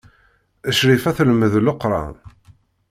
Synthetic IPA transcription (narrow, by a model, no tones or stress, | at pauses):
əʃɾifæθlməðləqːɾˤɑ̰n